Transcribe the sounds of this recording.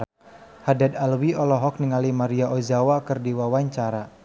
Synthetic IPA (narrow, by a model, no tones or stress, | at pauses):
hadad̪alwiɔlɔɦɔk̚niŋalimaɾiaʔozawakərdiwawaɲt͡ʃaɾa